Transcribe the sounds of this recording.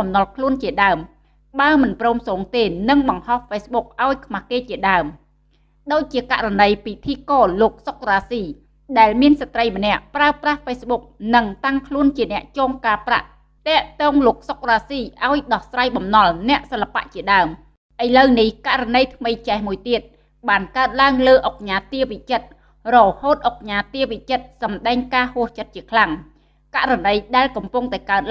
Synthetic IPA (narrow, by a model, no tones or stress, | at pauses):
ɑmnɑlkʰluənt͡ɕiəɗaəm | ɓaəmɨnprɔːmsoːŋt̪eːnɨŋɓɑŋhɑhfeːsɓuk̚ʔaɔjkʰmahkeːt͡ɕiəɗaəm | ɗoːc̚t͡ɕiəka̰ʔranəjpit̪ʰiːkoːloːk̚sok̚raːsiː | ɗaɛlmiənsat̪rəjmə̆nɛ̆əʔpraəprahfeːsɓuk̚nɨŋt̪aŋkʰluənt͡ɕiənɛ̆əʔt͡ɕoːŋkaːpra̰ʔ | t̪ɛ̆əʔt̪ɔːŋloːək̚sok̚raːsiːʔaɔjɗɑhsraːjɓɑmnɑlnɛ̆əʔsəlːapa̰ʔt͡ɕiəɗaəm | ʔəjləwnihkaʔranəjt̪ʰməjt͡ɕahmuəjt̪iət̪̚ | ɓaːnkaət̪̚laəŋləːʔok̚ɲaːt̪iəʋiʔt͡ɕət̪̚ | rɔhoːt̪̚ʔok̚ɲaːt̪iəʋiʔt͡ɕət̪̚sɑmɗaɛŋkaːhuəht͡ɕət̪̚t͡ɕiəkʰlaŋ | kaʔranəjɗaɛlkɑmpuŋt̪aɛkaət̪̚